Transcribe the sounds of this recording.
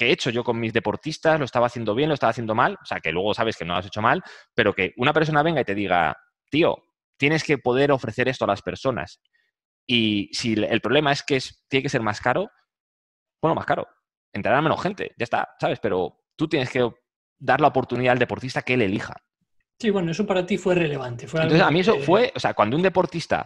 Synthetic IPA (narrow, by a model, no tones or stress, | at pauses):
ke̞et͡ʃo̞ʝo̞ko̞nmizðe̞po̞ɾt̪ist̪azloest̪aβaθje̞nd̪o̞βje̞nlost̪aβaθje̞nd̪o̞maloseake̞lwe̞ɣ̞o̞saβe̞ske̞noa̰se̞t͡ʃo̞malpe̞ɾo̞ke̞ʔunapeɾs̬o̞naβe̞ŋɡait̪e̞ðiɣ̞a̰ | t̪io̞̰ | t̪je̞ne̞ske̞po̞ð̞e̞ɾo̞fɾe̞θe̞ɾe̞st̪oalaspe̞ɾso̞na̰s | isielpɾole̞mae̞skeest̪jeneke̞se̞ɾmaskaɾo̞ | bonloma̰skaɾo̞̰ | ent̪ɾaɾame̞no̞sxe̞nt̪e̞̰ʝaest̪a̰saβe̞spe̞ɾo̞ | t̪ut̪je̞neske̞ | d̪aɾlaopo̞ɾt̪uniðald̪e̞po̞ɾt̪ist̪akeele̞lixa̰ | siwenoesopaɾat̪ifwe̞releβ̞ant̪efwenoesamĩes̬ofwe̞ʔoseakwanound̪e̞po̞ɾt̪ist̪a̰